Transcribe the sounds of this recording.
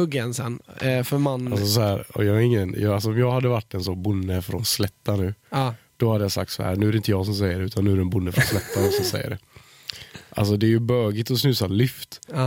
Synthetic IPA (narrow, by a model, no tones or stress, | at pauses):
ɵɡːɛnsɛnfœɾmanalsɔs̬ɔhæːɾɔ̰jɑːɡaɾɪŋːənjɑːals̬ɔɔmjɑːɡhad̪ːəvaʈːɛnsɔbʊnːəfɾɔnslɛt̪ːanʉ̟ː | d̪̥ɔhad̪ːəjasa̰k̚t̪sa̰hæ̰ɾnʉ̟ːæɾɛɪnt̪ːəjɑːɡs̬ɔms̬ɛjːəɾɖɛʉ̟t̪anːʉːæɾɛnbʊnːəfɾɔnslɛt̪ːanɔsɔmsɛ̰jːə̰ɖɛ̰ | ʔa̰ls̬ɔd̪ɛːɾjɵbœːɡɪt̪ɔsnʉːsalʏft̪ː